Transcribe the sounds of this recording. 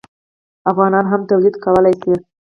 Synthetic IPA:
afɣɑnɑnɦamt̪awlid̪kawəlajsi

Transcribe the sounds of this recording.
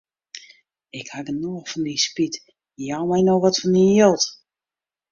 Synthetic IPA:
ɪkhaɡənoəfɔndispit | jawmɛjnowʋɔtfɔnijølˠt

